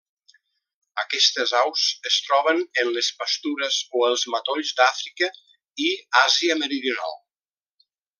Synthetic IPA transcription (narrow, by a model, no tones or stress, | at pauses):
əkɛst̪əzawzəst̪ɾɔβ̞ənənləspəst̪uɾəzoəlˠzmat̪oʎzd̪afɾikə | iaziəməɾiðiuna̰lˠ